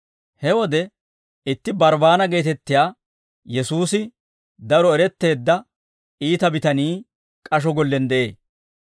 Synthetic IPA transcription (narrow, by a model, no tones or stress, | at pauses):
hɛwɔd̪ɛ | ɪt̪ːɪbɐɾbaːnɐɡe̞ːt̪ɛt̪ːɪjaː | jɛsuːsɪ | d̪ɐɾɔɛɾɛt̪ːe̞ːd̪ːɐ | iːt̪ɐbɪt̪ɐniː | kʼɐʃ̬ɔɡɔlːɛnd̪ɛʔe̞ː